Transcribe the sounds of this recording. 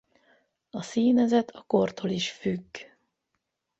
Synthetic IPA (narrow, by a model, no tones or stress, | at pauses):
ɒsiːnɛzɛt̪ʰɒko̞rt̪ʰoliʃfyɡː